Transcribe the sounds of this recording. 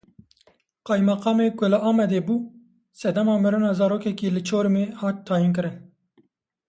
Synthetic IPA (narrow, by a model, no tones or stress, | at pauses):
qɑːjmɑqɑːmeːkʊlɨʔɑːmɛd̪eːbuː | sɛd̪ɛmɑːmɨɾunɑːzɑːɾoːkɛkiːlɨt͡ʃʰoːɾɨmeːhɑːt̪ʰːɑːjink̬ɨɾɨn